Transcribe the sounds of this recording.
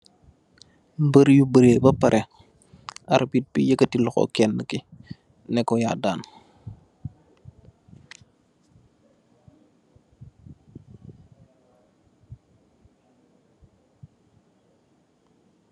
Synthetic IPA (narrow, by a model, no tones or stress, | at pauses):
mbəɾjubəɾebɐpɐɾʔe | aɾbit̚bijəkətilɔko̰kɛnːəki | nɛkojaːdaːn